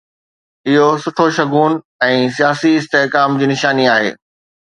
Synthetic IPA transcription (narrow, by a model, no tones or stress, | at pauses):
ɪɦosʊʈʰoʃɐɡuːn | ɛ̃ːs̬ijaːsiɪst̪eɦkaːmd͡ʑiːnɪʃaːniaːɦḛː